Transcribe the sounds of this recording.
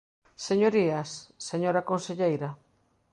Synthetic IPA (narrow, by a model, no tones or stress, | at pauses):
seɲoɾiasːeɲoɾakonseʎejɾa